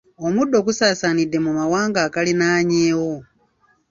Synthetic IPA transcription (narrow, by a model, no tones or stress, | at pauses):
omudo̞kusaːsanide̞mumawaːŋɡaːkalinaːɲeːwo